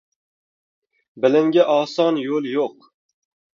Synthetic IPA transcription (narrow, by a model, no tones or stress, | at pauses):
bɪlɪmɡʲaʔɒːsɒnjolˠjoq